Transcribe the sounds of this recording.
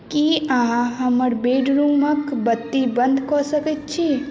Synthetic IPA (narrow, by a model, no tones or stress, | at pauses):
kiɐɦãɦɐməɾbeːɖɾuːməkbət̪ːibə̃nd̪kɔːsəkit̪t͡ʃʰi